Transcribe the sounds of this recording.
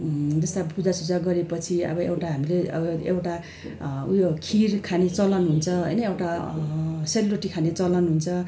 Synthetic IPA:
d͡zʌst̪apud͡zasud͡zaɡʌɾepʌt͡sʰiʌ̰bʌḛwʈaɦamileʌ̰bʌḛwʈa | ujokʰirkʰanet͡sʌlʌnɦunt͡sʰʌɦʌ̰jnʌewʈa | seluɾeʈikʰanet͡sʌlʌnɦunt͡sʰʌ

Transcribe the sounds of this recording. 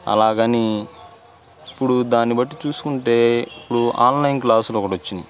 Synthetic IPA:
ɐ̰laːɡɐni | ipːuɽud̪aːnibɐʈːit͡ʃuːsu̥kuɳʈe̞ːipːuɽuʔa̰ːnlɐjnklaːsulɔkɐʈʋɐt͡ʃːind̪i

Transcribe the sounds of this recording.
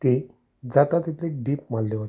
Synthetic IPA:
t̪e | d͡zat̪at̪it̪leɖiːpmalːeɦot̪

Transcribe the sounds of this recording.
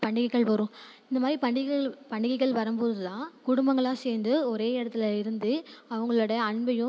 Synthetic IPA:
pɐɳɖɪɣɐɪɣɐɭʋɐɾʊ̃ | ɪnd̪ɐmaːd̪ɾipɐɳɖɪɣɐɐɭpɐɳɖɪɣɐɪɣɐɭʋɐɾɯmboːɾɐðɯt̪ãːkʊɽʊmbɐŋɡɐɭaːseːɾnd̪ɯɔɾeːɪɽɐt̪ːɪlɐɪɾɯnd̪ɯɐʋɐŋɡɐɭɔɽɐɐɳbɐjɯ̃

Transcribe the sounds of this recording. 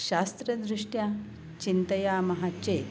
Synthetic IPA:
ɕast̪ɾɐd̪ɾiʂʈja | t͡ɕint̪əjaːmɐɦat͡ɕe

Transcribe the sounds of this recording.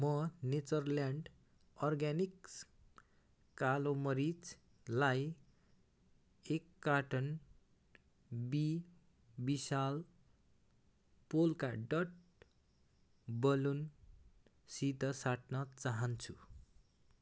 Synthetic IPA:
mʌnet͡sʌrljaɳɖ | ɔrɡaniks | kalomʌɾit͡s | laj | ekːaʈʌn | bi | bisal | polkaɖʌʈ̚ | bʌlun | sit̪ʌsaʈnʌt͡saɦʌnt͡sʰu

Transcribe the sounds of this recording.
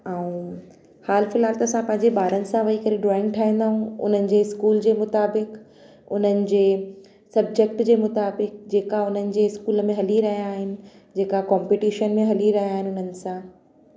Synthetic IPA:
aːũ | haːlfɪlɦaːlt̪ɐːsãpɐ̃ɦɪ̃ɲd͡ʑeɓaːɾənɪ̆sãʋɐɦikɐɾeɖɾɔaːɪ̃ŋɡʈʰaːɦĩːnd̪aːɦũʊ̰n̤ənɪ̆d͡ʑeːɪskuːld͡ʑeːmʊt̪aːbɪk | ʊn̤ənɪ̆d͡ʑeː | sɐb̚d͡ʑek̚ʈd͡ʑeːmʊt̪aːbɪk̚d͡ʑeːkaʊn̤ənɪ̆d͡ʑeːɪskuːləmẽɦɐliɾɐɦijaːɦɪnɪ̆ | d͡ʑeːkakɔːmpiʈiːʃənmẽɦɐliɾɐɦijaːɦɪnɪʊnənɪ̆sã

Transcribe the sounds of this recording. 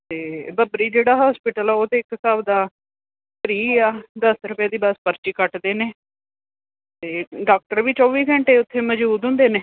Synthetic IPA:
t̪eːbəbɾiːd͡ʒeːɽaːɦaːspɪʈəlɛːoːt̪eːɪksaːbd̪aː | pɾiːaːd̪əsɾʊpjaːd̪iːbəspəɾt͡ʃiːkəʈd̪eːneː | t̪eːɖaːk̚ʈəɾʋiːt͡ʃɔːʋiːɡəɳʈeːʊt̪ʰːeːməd͡ʒbuːd̪ɦʊ̃ːnd̪eːneː

